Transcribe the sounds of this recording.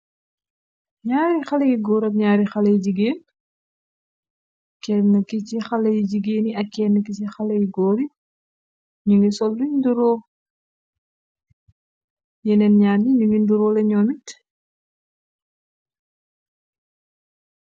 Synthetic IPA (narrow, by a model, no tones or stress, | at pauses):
ɲaːɾixɐlɐɡiɡɔːɾɐk̚ɲaːɾixɐlɐjɟiɡeːn | kɛːnɐkicixɐlɐjiɟiɡeːniɐkːɛːnːəkit͡ʃixɐlɐɡiɡɔːɾi | ɲuŋɡisɔlːuɲnduɾɔː | jɛnɛnɲaːrniɲuŋɡinduɾɔːlɛɲɔːmit